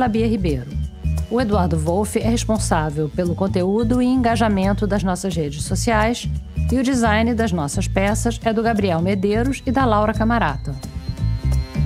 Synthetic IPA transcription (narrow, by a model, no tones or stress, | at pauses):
labiɐɦibejɾʊʊed̪uaɾd̪ʊvowfɪʔɛheʃpõsavewpelʊkõnt̪eud̪ʊɪẽŋɡaʒamẽnt̪ʊd̪ɐznɔsɐzhed͡ʒɪsːosiajsɪʊd͡ʒizajnɪd̪ɐznɔsɐʃpɛsɐsɛd̪ʊɡabɾiɛwmed̪eɾʊʃɪd̪ɐlawɾɐkamaɾat̪ɐ